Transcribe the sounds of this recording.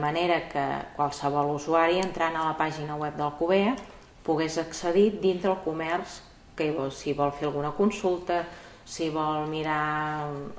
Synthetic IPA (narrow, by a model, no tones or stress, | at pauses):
məneɾəkə̰kwalˠsəβɔlˠuzuaɾiənt̪ɾanələpaʒinəwɛp̚d̪əlˠkuβe | puɣezəksəðid̪int̪ɾəlˠkumɛrs | kəiβɔsiβɔlˠfeəlˠɣunəkunsulˠt̪ə | siβɔlˠmiɾa